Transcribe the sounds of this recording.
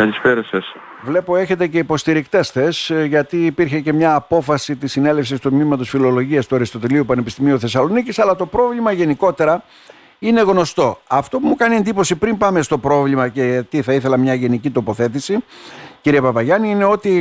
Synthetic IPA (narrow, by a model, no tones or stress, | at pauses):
ɐlisfeɾeses | vle̞po̞e̞çe̞t̪ece̞ipo̞st̪iɾikt̪e̞sθe̞sʝɐt̪iːpiɾçe̞ce̞mɲɐːpo̞fɐsit̪isine̞le̞fsist̪ut̪mimɐt̪o̞sfilo̞lo̞ʝiɐst̪uɐɾist̪o̞t̪iliupɐne̞pist̪imiuθe̞sɐlo̞nicisɐlɐt̪o̞pɾo̞vlimɐʝe̞niko̞t̪e̞ɾɐ | ine̞ɣno̞st̪o̞ɐft̪o̞pumukɐnie̞nd̪ipo̞sipɾimpɐme̞st̪o̞pɾo̞vlimɐce̞t̪iθɐiθe̞lɐmɲɐʝe̞nicit̪o̞po̞θe̞t̪̬isiciɾiepɐpɐʝɐniine̞o̞t̪i